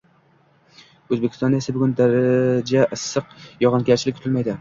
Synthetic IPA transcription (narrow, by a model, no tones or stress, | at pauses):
ɵzbekʰʲɪ̥st̪ɒnesɪbʊɡʲʊnd̪aɾad͡ʒaʔɨsːɨqjɒʁɑnɡʲaɾt͡ʃʰɪlɪkʲʰːʊt̪ʰɪlmajd̪ɪ